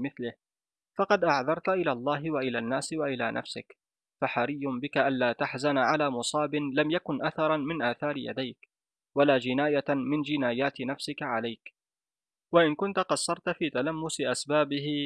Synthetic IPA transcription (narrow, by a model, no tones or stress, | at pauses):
mɪθlɪh | fɑqɑd̪ʔaʕðɑɾˤt̪ʔɪlaːlˤːɑːɦɪwaʔɪlaːnːaːswaʔɪla̰ːnʔa̰fsɪk | faħaɾɪjːʊbɪkaʔanlaːt̪aħzanʕalaːmʊsˤɑːbɪnlamjakʊnʔaθɑɾˤɑmɪnʔaːθɑːɾɪja̰d̪ajk | walaːd͡ʒɪnaːjamɪnd͡ʒɪnaːjaːt̪ɪnafsɪkaʕalajk | waʔɪnkʊnt̪aqɑsːɑɾˤt̪fiːt̪alamːʊsɪʔasbaːbɪhɪ